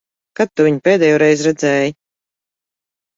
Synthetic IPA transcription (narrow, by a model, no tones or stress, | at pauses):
kat̪̚ːuviɲpʲeːd̪eːjɔːɾɛjzɾɛd̪zɛːji